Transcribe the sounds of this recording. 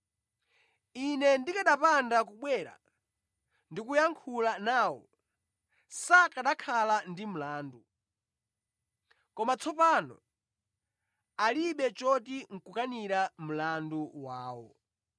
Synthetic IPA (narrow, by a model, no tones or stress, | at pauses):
inɛndikaɗapandakuɓwɛɾa̰ | ndikujaŋkʰulanaːwɔ̰ | sakaɗakʰalandim̩laːndu | kɔmat͡sʰɔpanɔ̰ | aliɓɛt͡ʃɔtiŋ̩kukaniɾam̩landuwaːwɔ̰